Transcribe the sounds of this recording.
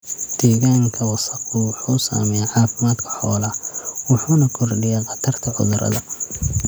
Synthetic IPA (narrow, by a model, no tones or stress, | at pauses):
d̪̥ɛːɣaːŋkʰɐwɑsɐqʊwʊħuːsa̰ːmɛjaʕɑːfɪmaːd̪kʰɐ̥ħɔːlɐwʊħuːnɐkʰɔrɖɪjɛqɑt̪ʰɐrt̪ʰɐʕʊ̰ðʊɾɐ̰ðɐ